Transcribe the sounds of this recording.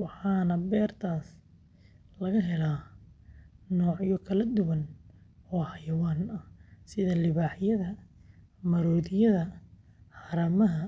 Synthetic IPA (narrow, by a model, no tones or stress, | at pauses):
wɑħɑːnɐbɛːrt̪ʰaːs | lɐɣɐɦɛlaː | nɔːʕjɔkʰɐlɐd̪ʊwɐnɔːhɐjɐwaːnɐsɪðɐlɪβaːħjɐðɐ | mɐɾɔːðɪjɐðɐ | ħɑɾɐmɐɦɐ